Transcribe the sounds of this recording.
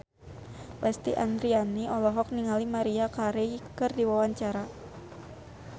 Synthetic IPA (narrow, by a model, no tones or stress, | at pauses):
lɛst̪ḭʔa̰nd̪ɾianiʔɔlɔɦɔk̚niŋalimaɾiakaɾekɨrdiwawaɲt͡ʃaɾa